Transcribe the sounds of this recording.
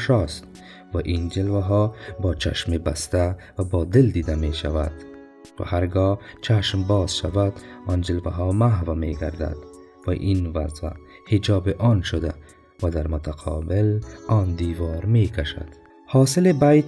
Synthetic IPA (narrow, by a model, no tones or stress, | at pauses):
ʃɔst̪̚ | vaʔind͡ʒilvaɦɔːbɔːt͡ʃʰa̰ʃmibast̪avabɔːd̪ild̪iːd̪ameʃava̰d̪̥ | va̰haɾɡɔːt͡ʃʰaʃmbɒːzʃavad̪ɔnd͡ʒilvaɦɔːmaɦvameɡaɾd̪a̰d̪ | va̰ʔinvazva | hid͡ʒɒːbiʔɔnʃod̪a | vad̪aɾmʊt̪ʰaqʰɔ̰ːbɪlɔːnd̪iːvɔːɾmeːkʰaʃa̰d̪̥ | hɔːsɪlibajt̪